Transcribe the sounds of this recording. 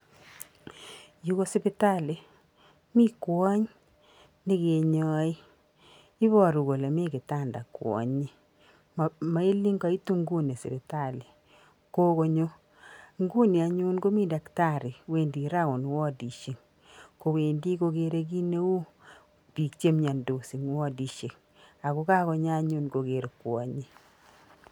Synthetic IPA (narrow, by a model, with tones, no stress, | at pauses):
ju˦ko˦sɪ˦pɪ˦ta˦le˨ | mi˦kwɔ˦ɲ | ni˦ke˨ɲɔ˦i˦ | i˦βɔ˦ɾu˨ɡo˨le˨mi˦kɪ˨ta˦˨nda̰˨kwɔ̰˨ɲi˦ | ma˨˦i˦li˦ŋɡa˦i˦tu˦ŋɡu˦ne˨sɪ̰˨bɪ˨ta˨li˨ | ko˦ko˧ɲo˦ | ŋɡu˦ni˨a˨ɲu˦nɡo˦mi˦da˨kta˦˨ɾi˨we˦ndi˨ɾa˦ko˨nwɔ˦di˨ʃe˨ŋ | ko˨we˨ndi˦ko˧keɾe˦k̬i˦ne˦u˦ | pi˨kt͡ʃe˦mɲa˨ndo˨si˨ŋwɔ˦di˨ʃe˨ŋ | a˨ku˦ka˦ko˧ɲa˦ɲu˦nɡo˨ke˨ɾkwɔ̰˨ɲi˦